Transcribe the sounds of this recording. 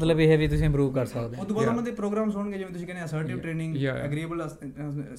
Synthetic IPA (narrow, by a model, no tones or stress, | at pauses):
t̪ləbeːɦɛʋiːt̪ʊsĩːpɾuːʋkəɾsəkd̪eːod̪ũːbɔt̪aːmə̃d̪epɾoːɡɾãːmsʊəɳɡeːd͡ʒeʋẽt̪ʊsĩːkɛnːəsəɾʈiʈɾeːnɪ̃ŋɡəɡɾiːəbəl